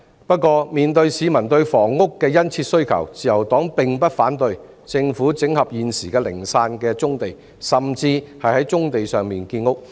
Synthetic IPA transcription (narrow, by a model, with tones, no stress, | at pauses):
pɐ˥t̚kɔː˧miː˨nt̪ɵ˧ɥsiː˨˧mɐ˨˩nt̪ɵ˧ɥfɔː˨˩ŋːʊ˥kːɛː˧jɐ˥nt͡sʰiː˧t̚sɵ˥ɥkʰɐ̰˨˩wt͡siː˨jɐ˨˩wt̪ɔː˨˥ŋpɪ˨ŋpɐ˥t̚faː˨˥nt̪ɵ˧ɥ | t͡sɪ˧ŋfuː˨˥t͡sɪ˨˥ŋhɐ˨p̚jiː˨nsiː˨˩kɛː˧lɪ̰˨˩ŋsaː˧nkɛː˧t͡sʊ˥ŋt̪e˨j | sɐ˨˩mt͡siː˧hɐ˨jhɐ˨˥jt͡sʊ˥ŋt̪e˨jsœː˨ŋmiː˨nkiː˧nʊ˥k̚